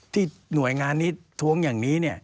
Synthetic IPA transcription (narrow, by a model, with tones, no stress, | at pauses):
t̪ʰiː˥˩ | nu˨˩ə˦jŋaː˧nːiː˦˥t̪ʰu˧əŋjaː˨˩ŋniː˦˥ni˥˩ɐ